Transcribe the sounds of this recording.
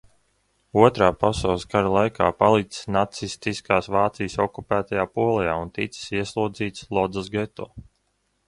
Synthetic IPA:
uɔt̪ɾaːpasalˠskaɾalˠajkʰaːpalˠit̪nat̪sist̪iskaːsvaːt̪sijsɔkupæːt̪ajaːpuɔlˠɛjaːunt̪it̪si̥siɛslˠuɔd̪ziːt̪slˠɔd̪zasɡɛt̪o̰ː

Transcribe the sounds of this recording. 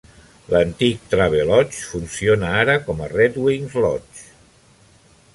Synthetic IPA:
lənt̪ik̚t̪ɾaβ̞elɔt͡ʃfunsionaaɾəkɔmərɛt̪wiŋzlɔt͡ʃ

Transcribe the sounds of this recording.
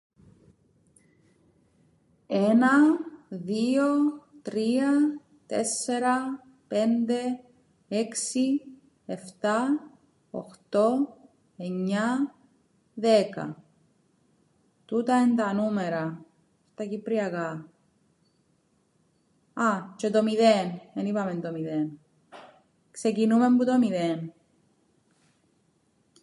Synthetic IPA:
enɐðio̞t̪ɾiɐ | t̪e̞̰se̞ɾɐ | pe̞nd̪e̞ | eksi | eft̪ɐ | o̰xt̪o̞ | e̞ɲːɐ | ðe̞kɐ̰ | t̪ut̪ɐent̪ɐnumeɾɐ | st̪ɐcipɾiɐkɐ | ɐt͡ʃet̪omiðenenipɐme̞nd̪omiðen | kse̞cinume̞mbut̪omiðen

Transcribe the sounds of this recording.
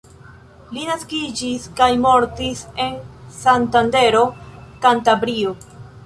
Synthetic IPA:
linaskid͡ʒiskajmo̞ɾtise̞nsantande̞ɾo̞kantabɾio

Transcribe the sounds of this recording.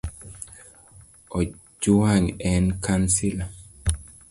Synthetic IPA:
ɔ | d͡ʒuaŋɛnkansila

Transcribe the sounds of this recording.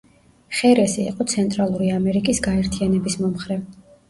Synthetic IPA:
χɛɾɛsḭːqʼɔt̪sʰɛnt̪ʼɾalˠuɾiamɛɾikʼisɡaɛɾt̪ʰianɛbismɔmχɾɛv

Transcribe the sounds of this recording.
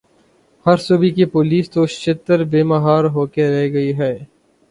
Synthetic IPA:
hɐɾsʊbikipoːliːst̪oːʃɪt̪əɾbeːmɐɦaːɾɦoːkeɾɛɦɡɐiɦɛː

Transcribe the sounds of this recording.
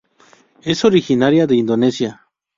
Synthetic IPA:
esoɾixinaɾjad̪eind̪onesja

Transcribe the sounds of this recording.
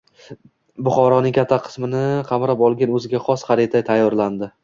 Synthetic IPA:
bʊχɒɾɒnɪŋʲkʰʲat̪ʰːaqʰɨ̥smɪnɪqʰɑmɾapɒlˠɡʲanɵzɪɡʲaχɒsχaɾit̪ʰajt̪ʰajːɒɾland̪ɪ

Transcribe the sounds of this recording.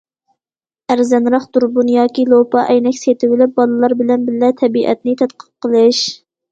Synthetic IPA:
æɾzɛnɾɑχd̪̥uɾbunjɑːkʲilˠopɑʔɛjnɛkʲset̪ʰɪwɪlɪp̚bɑlˠɨlˠɑɾbɪlɛnbɪllɛt̪ʰɛbiʔɛ̰t̪nɪt̪ʰæt̪qʰə̥p̚qəlˠɨʃ

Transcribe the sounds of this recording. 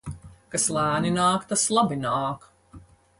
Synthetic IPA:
kaslˠæːninaːkt̪aslˠabinaːk

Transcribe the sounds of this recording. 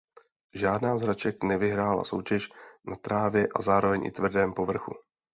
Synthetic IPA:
ʒaːdnaːzɦɾat͡ʃɛknɛvɪɦɾaːla̰so̞̰wcɛʃnat̪ɾaːvjɛʔa̰zaːɾo̞vɛɲʔɪ̰t̪vr̩dɛːmpo̞vr̩xṵ

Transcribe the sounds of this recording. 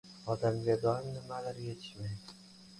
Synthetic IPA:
ɒd̪amɡʲad̪ɒɪmnɪmalaɾjet̪ʰɪ̥ʃmajd̪ɪ

